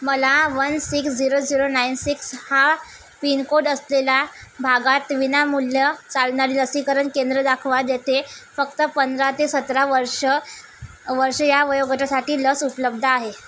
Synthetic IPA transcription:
məlaʋənsiksd͡ʑiɾod͡ziɾonainsiksha | pinkoɽəslelabʱaɡat̪ʋinamulːjət͡salɳaɾiːləsiːkəɾəɳkend̪ɾəd̪akʰʋad̪jet̪ʰefəkt̪əpənd̪ɾat̪esət̪ɾaʋəɾʂə | ʋəɾʂəjaʋəjoɡət̪asaʈiːləsupələb̚d̪ʱəaɦe

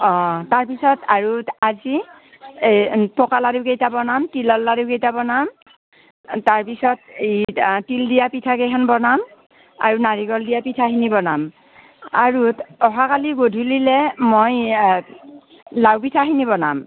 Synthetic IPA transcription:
ɔtaɹpisɔtaɹuazi | tɔkaladukejtabɔnamtilɔlːadukejtabɔnam | taɹpisɔt̚etildijapitʰakekʰanbɔnam | a̰ɹunaɹiɡɔldijapitʰaɦinibɔnam | aɹutɔɦakaliɡodʱulilɛmoj | lawpitʰaɦinibɔnam

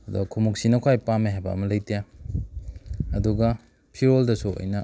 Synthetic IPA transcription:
ɐdṵɡɐkʰumuk̚sinɐkʰwajpameɦajbɐ̰ɐmɐlɐjtija | ɐduɡɐ | pʰiɾoldɐsuo̰jnɐ

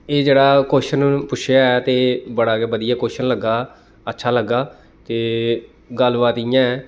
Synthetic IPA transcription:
eːd͡ʒeːɽaːkoːʃənpʊʃʰjaːɛːt̪eːbəɽaːkeːʋəd̪ɪjaːkoːʃənləɡaː | ətːʃʰaːləɡaː | t̪eː | ɡəlʋaːt̪iːjãːɛː

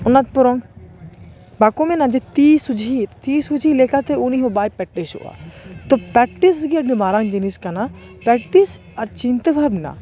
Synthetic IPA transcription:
ʊnat̪̚pʊɾõŋ | baːkomẽnãd͡ʒet̪iːsud͡ʒit̪iːsud͡ʒʱileːkat̪euniɦobaːjpɛʈːeʃo̰a̰ːt̪opɛʈisɡiɐnɪmaːɾãŋd͡ʒiniskana | pɛʈis | ɐɾt͡ʃĩnt̪əbʱɐɾbna̰

